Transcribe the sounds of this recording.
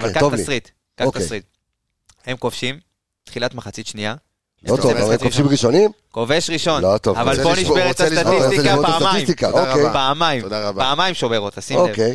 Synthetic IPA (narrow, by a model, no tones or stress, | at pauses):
avvalkaovalʁit̪ | kat̪aʁit̪ | hemkofʃim | t̪χilat̪maχat͡sit̪ʃnia | lot̪oaemkofʃimʁiʃonim | koveʃʁiʃo̞nlot̪ovavvalboniʃbeʁettːasaisiapasmajmt̪ikaoejpaamajimapaːmajmʃoveʁot̪asimokej